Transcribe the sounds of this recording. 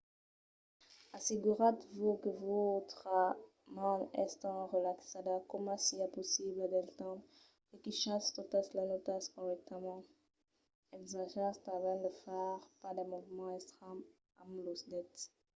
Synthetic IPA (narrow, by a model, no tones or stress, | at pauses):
aseɡyʁat̪vokəvot̪χa | mãnɛ̰st̪ɑ̃ʁəlaksad̪akɔmɑ̃siapɔsiblad̪ɛlt̪ɑ̃d̪ | ekiʃast̪ot̪aslanot̪askɔʁɛk̚t̪ʰamɑ̃ | ɛɡzaʒɛʁst̪ãvɛ̃nd̪əfaʁpad̪ɛ̃muvmɑ̃ɛst̪χam | amlosd̪ɛt̪